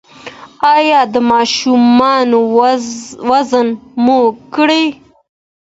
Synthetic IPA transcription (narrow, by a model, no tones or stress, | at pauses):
ɑjɑd̪əmɑːʃumɑno | wazənmokɽi